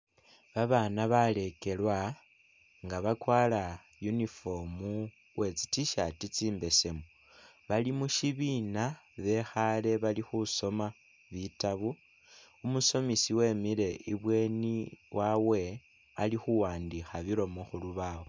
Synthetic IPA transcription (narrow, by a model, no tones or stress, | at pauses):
βaβanaβale̞ke̞lwa | ŋɡaβakwaːla | junifo̞mu | we̞t͡si̥tiʃatit͡siːmbe̞se̞mu | βalimuʃiβinaβe̞xale̞βalixuso̞ma | βitaβu | umuso̞misiwe̞miɾe̞iβwe̞niwʔawe̞ | alixuwaːndixaβiɾo̞moxuluβawo